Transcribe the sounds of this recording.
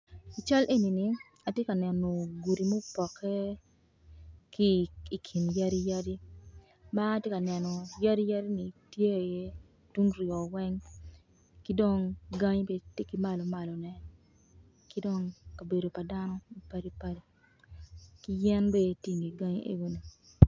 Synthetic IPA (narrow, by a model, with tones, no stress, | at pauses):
i˨t͡ʃa˦lʔe˦ni˨ni˨ | a˨tje˦ka˨nɛ˨no˨ɡu˨ɾi˨mo˦pɔ˨kʰɛ˦ | kiː˦˨kʰi˨nja˦ɾi˦ja˦di˦ | ma˦tje˦ka˨nɛ˨nɔ˨ja˦di˦ja˦ɾi˦ni˨tje˦e˨je˦ | tu˦ŋɾjɔ˨wɛ˦ŋ | ki˦do˦˨ŋɡa˦ɲbe˦te˦ki˨ma˨lɔ˨ma˨lɔ˨nɛ˦ | ki˦do˦ŋka˨be˨do˨pa˨da˦nɔ˦i˦pa˦ɾi˦pa˦ɾi˦ | ki˦jɛ˦nbɛ˦ti˦ŋi˨ɡa˦ɲḛ˦ɡo˦ni˨